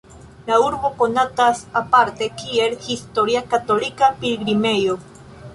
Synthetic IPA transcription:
lauɾbokonat̪asapaɾt̪e̞kielhist̪oɾiakat̪olikapilɡɾimejo

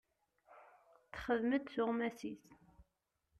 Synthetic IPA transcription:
θχəðməd̪θʊʁmæsiθ

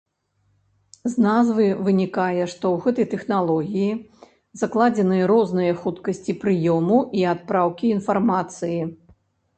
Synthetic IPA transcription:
znazvɨvɨnʲikajɛʂt̪ɔwɣɛt̪ɐjt̪ɛxnalˠɔɣʲiji | zaklˠad͡zʲɛnɨjɐɾɔznɨjɐxut̪kɐsʲt͡sʲipɾɨjɔmuiat̪̚pɾawkʲiːnfarmat̪sɨji

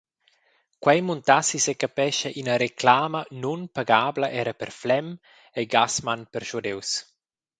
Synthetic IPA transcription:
kwɛjmunt̪asisekapɛʃaʔinaɾeklaːmanunpaɡaːblaʔɛɾapɛɾflɛm | eɡasmanpɛɾʃud̪ews

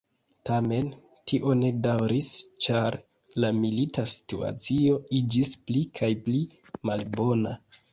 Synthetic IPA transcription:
tame̞n | tʰiʔo̞ne̞dawɾist͡ʃaɾ | lamilitasi̥tua̰t͡sio̞id͡ʒisplikʰajpli | malbo̞na

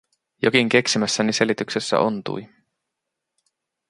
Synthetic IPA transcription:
jo̞kiŋk̟e̞ksimæsːænise̞lit̪ykse̞sːæ̰ʔo̰nt̪ṵj

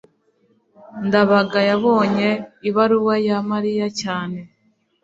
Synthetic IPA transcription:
ndaβaɡajaβo̞ːɲe̞iβaɾuwajamaɾijacaːne̞

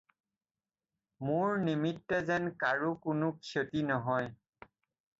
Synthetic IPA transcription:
mʊɹnimitːɛzɛnkaɹukʊnʊkʰjotinɔɦɔj

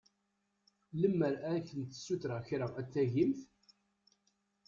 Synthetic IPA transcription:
ləmːəɾææçənt̪ːə̥sːuθɾaçɾaæt͡sːæʝimθ

